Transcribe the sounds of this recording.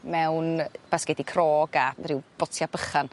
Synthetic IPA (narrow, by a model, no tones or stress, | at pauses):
mɛwnb̥asɡ̥ɛdikʰrɔːɡarɪwb̥ɔtʰjabəχan